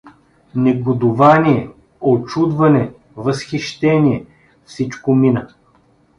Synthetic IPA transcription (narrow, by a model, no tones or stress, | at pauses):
nɛɡod̪ʊvaniɛ | ot͡ʃud̪vɐnɛ | vəsxiʃt̪ɛniɛ | fsit͡ʃkominə